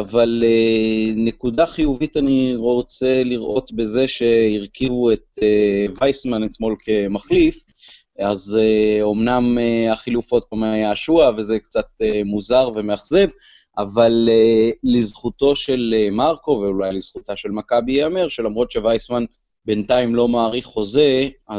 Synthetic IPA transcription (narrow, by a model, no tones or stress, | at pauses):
avalene̞kudaχijuvitaniʁo̞t͡se̞liʁʔo̞t̪be̞ze̞ʃe̞iʁkivue̞tevajsmanet̪mo̞lkʰe̞maχlif | azeo̞mnameaχilufo̞t̚bamajaːʃuavezekt͡sat̚emuzaʁve̞meaχze̞v | ʔavaleːizχuto̞ʃe̞lemaʁko̞veulajliz̥χutaʃe̞lmakabiameʁʃe̞lamʁo̞t̪ʃe̞vajsman | be̞ntaimlo̞maːʁiχːo̞ze̞a